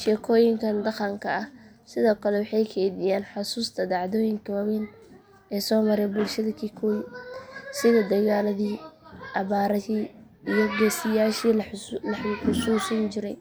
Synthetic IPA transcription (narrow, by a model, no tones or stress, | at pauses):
ʃɛːkʰɔːjɪŋkʰɐnd̪ɑqɐŋkʰɐɐh | sɪðɔːkʰɐlɛwɑħɑjkʰɛnɪjaːnħʊsuːst̪ʰɐd̪ɑʕðɔːjɪŋkʰɐwɐwɛn | ɛːsɔːmɐɾɛjbʊlʃɐðɐkʰikʰɔj | sɪðɐd̪ɐɣaːlɐðiːʔɐβaːɾɐhiː | ijɔɡɛːsɪjaːʃiːllɐħħʊsuːsɐnt͡ʃɪɾɛj